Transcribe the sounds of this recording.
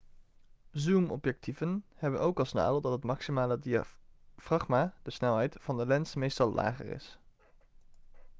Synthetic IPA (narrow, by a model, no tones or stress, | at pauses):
zumɔ̰pjɛk̚tʰivənhɛbənʔowkɑlˠsna̰ːləlˠdɑtɦətmɑksimaːlədiafrɑχmaːd̥əsnɛlˠɦɛjtv̥ɑndəlɛnsmejstɑlˠlʔa̰ːχə̰rɪ̰s